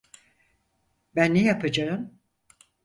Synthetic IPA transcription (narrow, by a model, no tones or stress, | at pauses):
bænːejapʰɯd͡ʒaɯm